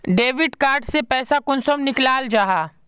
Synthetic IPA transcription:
ɖeːʋɪɖkaːɾɖsepɛːsakʊnsəmnɪklaːld͡ʒaːɦaː

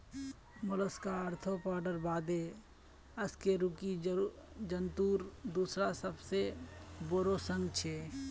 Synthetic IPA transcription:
mʊləskaəɾt̪ʰopaːɖəɾbaːd̪e | əskeɾʊki | d͡ʒənt̪uːɾd̪uːsɾasəbseboɾosə̃ŋɡt͡ʃʰe

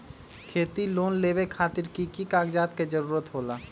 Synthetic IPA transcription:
kʰeːt̪iloːnleːʋekʰaːt̪ɪɾkikikaːɡd͡ʒaːt̪ked͡ʒəɾuːɾət̪ɦoːlaː

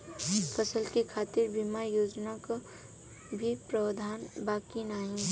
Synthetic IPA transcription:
fʰəsəlkekʰaːt̪ɪɾbimajoːd͡ʒnaka | bʱipɾəd̪ʱaːnbaːkinaːĩ

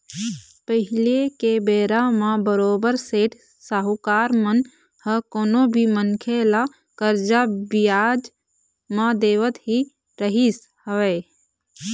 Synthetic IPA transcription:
pəɦɪlekebeːɾamãbəɾoːbəɾseːʈʰ | saɦukaːɾmən | həkoːnõbʱimənkʰela | kəɾd͡ʒabɪjaːd͡ʒ | mãd̪eːʋət̪ɦi | ɾəɦis | həʋeː

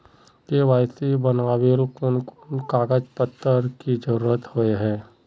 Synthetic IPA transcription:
keʋaːjsibɐnaːʋelkʊnkʊnkaːɡəd͡ʒpət̪ːəɾkid͡ʒɐɾuːɾət̪hoeɦɛ̃ː

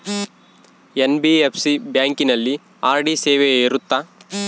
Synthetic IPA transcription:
enbiepʰsibjaːŋkinɐlːi | aːɾɖiseːʋeiɾut̪ːaː

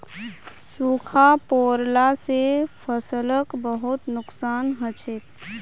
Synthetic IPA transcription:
suːkʰapoːɾlasepʰəsələkbəɦʊt̪nʊksaːnɦət͡ʃek

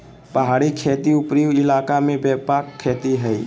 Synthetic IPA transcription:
pəɦaːɽikʰeːt̪iʊpɾiʋɪlaːkamẽbɛːpaːkʰːeːt̪iɦɛi

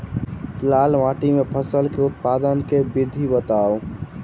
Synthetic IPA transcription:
lalʋãʈimepʰəsəlkeʊt̪̚pad̪ənkebid̪ʱibət̪ao

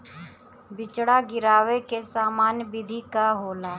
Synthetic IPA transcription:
bɪt͡ʃɽaɡɪɾaːʋekesaːmaːnjbɪd̪ʱikaɦoːlaː

